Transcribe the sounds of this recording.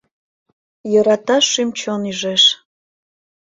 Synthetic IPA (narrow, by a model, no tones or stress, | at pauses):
jɤɾɑt̪ɑʃymt͡ɕonyʒeʃ